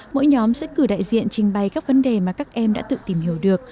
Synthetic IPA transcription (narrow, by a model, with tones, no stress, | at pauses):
mo̰˧˥jɲɔ˨˦msɛ̰˧˥kɨ˧˩ɗa̰ː˧˨jzḭ˧˨ənt͡ɕï˧ŋ̟ɓa˨˩jkaː˦˥k̚və˨˦nɗe˨˩maː˨˩kaː˦˥k̚ʔɛ˧mɗa̰ː˧˥t̪ɨ̰˧˨t̪i˨˩mhi˧˩əwɗɨ˨˩ək̚